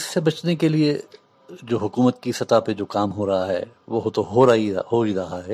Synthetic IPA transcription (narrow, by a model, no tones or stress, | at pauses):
ɪsːebɐt͡ʃnekelie | d͡ʒoːɦʊkuːmət̪kisɐt̪aped͡ʒoːkaːmɦoːɾɐɦaɦɛ̰ː | ʋoɦt̪oɦoːɾɐɦḭɦoːiɾɐɦaɦɛː